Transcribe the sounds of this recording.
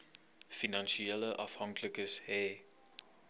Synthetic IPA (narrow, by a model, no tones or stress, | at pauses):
finɑnʃiɛləʔɐfhɑŋkləkəshɛː